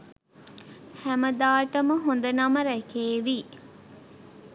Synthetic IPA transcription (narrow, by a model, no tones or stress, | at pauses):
hæməd̪aːʈəməɦond̪ɐnaməɾækeːʋiː